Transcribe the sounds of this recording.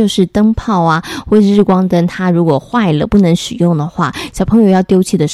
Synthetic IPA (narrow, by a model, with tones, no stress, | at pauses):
o˥˧ʊʂɻ̩˥˩t̪ə˥ŋpʰɑ˥˩ʊɐ˨˩wɔ˥˩˥ɻ̩˥˩kwɑ˥ŋt̪ə˥nt̪ʰa˥ɻu˧˥kwɔ˨˩xwa˥˩ɪlə̰˩pu˥˩nə˧˥ŋʂɻ̩˨˩jʊ˥˩ŋd̪ə˩xwa̰˥˩ɕjɑ˨˩ʊpʰɤ˧˥ŋjo˧ʊjɑ˥˩ʊt̪jo˥ʊt͡ɕʰi˥˩d̪ə˩